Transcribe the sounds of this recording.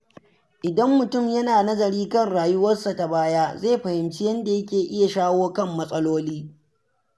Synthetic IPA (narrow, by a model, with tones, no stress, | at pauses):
ʔɪ˨dɐ˦mːʊ˨tʊ˦˨mjɐ˦naː˨nɐ˦zɐ˨ɾiː˦kɐ˦˨nɽaː˨jʊ˦wɐ˦rsa˨ta˨baː˦jaː˦zeː˦˨ɸɐ˨hɪ˨mt͡ʃɪ˦jɐ˦nda˨jɐ˦kʲeː˨ʔɪ˦ja˨ʃaː˦woː˦kɐ˦˨mːɐ˦sʼɐ˦loː˦liː˦